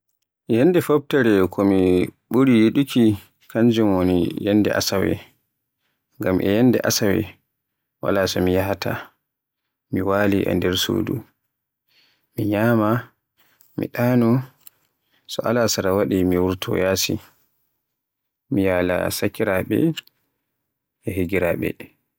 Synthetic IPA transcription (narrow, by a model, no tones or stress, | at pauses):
jɛndɛfob̚tɛɾɛkʰɔmiɓuɾijeɗikʰi | kaɲd͡ʒɛmonḭjɛnːdɛ̰ʔa̰sawɛ̰ | ŋɡamʔɛ̰jɛnːdɛ̰ʔasawɛ̰ | wa̰lasɔmijaɦatʰa̰ | miwaːliʔɛ̰ndɛɾso̰ːdṵ | miɲaːma | mḭɗaːnɔ | sɔʔalasaɾawaɗimiwuɾtʰɔ̰jaːsḭ | mijaːla̰sakːiɾaɓɛ̰ | ɛɦeɡiɾaɓɛ̰